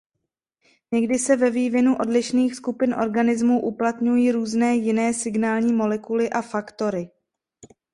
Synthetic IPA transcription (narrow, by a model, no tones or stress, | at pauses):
ɲɛɡdɪsɛvɛviːvjɛnuʔo̞dlɪʃniːxskupɪnʔo̞̰ɾɡanɪzmuːʔuplat̪ɲujiːɾuːznɛːjɪnɛːsɪɡnaːlɲiːmo̞lɛkulɪʔafakt̪o̞ɾɪ